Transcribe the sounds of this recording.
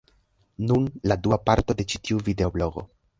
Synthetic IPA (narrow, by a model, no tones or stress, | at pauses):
nunladuapaɾto̞de̞t͡ʃi̥tiuvide̞oblo̞ɡo̞̰